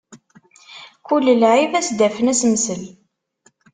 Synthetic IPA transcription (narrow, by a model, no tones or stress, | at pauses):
kulːlʕivæsd̪æfənæsməsəl